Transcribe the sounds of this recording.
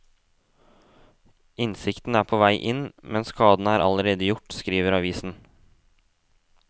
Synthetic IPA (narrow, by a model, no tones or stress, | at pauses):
ʔɪnsɪkt̪n̩æːɾpʰoːʋæɪʔɪnmɛnskʰɑːd̪n̩əæːɾʔɑ̰ləɾeːd̪əjʊʈːskɾiːʋəɾɑʋiːsn̩